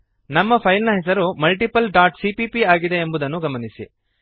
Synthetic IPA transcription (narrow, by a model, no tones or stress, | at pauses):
nɐmːɐpʰɐjlnɐɦɛs̬ɐɾumɐlʈipɐlɖaːʈsipipiaːɡid̪e̞ːmbud̪ɐnːuɡɐmɐnisḭ